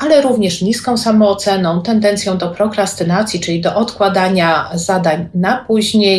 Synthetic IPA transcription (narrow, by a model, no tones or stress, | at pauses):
ʔalɛɾuvɲɛʂɲiskɔ̃w̃samɔːt̪sɛnɔ̃w̃t̪ɛnd̪ɛnt̪sʲjɔ̃w̃d̪ɔpɾɔkɾast̪ɘnat̪sʲjit͡ʂɘid̪ɔʔɔt̪kwad̪aɲazad̪aɲnapuʑɲej